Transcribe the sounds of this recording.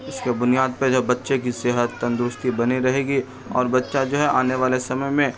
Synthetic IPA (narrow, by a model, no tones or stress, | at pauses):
ɪskebʊnijaːd̪̚ped͡ʒɐbɐtːʃekiseːɦət̪ːɐ̃nd̪ɾʊst̪ibɐniɾɐɦeːɡi | ɔ̰ːɾbɐtːʃad͡ʒoːɦɛʔaːneʋaːlesɐməjmẽ